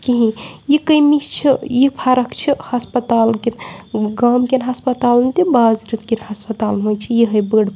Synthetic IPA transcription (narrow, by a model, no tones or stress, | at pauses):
kiɦĩjikəjmist͡ʃʰijipʰaɾɐkt͡ʃʰihɐspət̪alkenɡamkenɦɐspət̪aːlnt̪ibazɾit̪kinhɐspət̪aːlnɦojt͡ʃʰijiɦɐjbəɽ